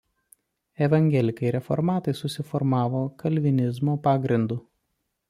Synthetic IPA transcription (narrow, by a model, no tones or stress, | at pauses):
ɛʋɐŋʲɡʲɛlʲɪkɐɪɾʲɛfɔ̰ɾmɑːt̪ɐɪsʊsʲɪfɔɾmɑːʋoːkʰɐlʲʋʲɪnʲɪzmoːpɑːɡɾʲɪnd̪uː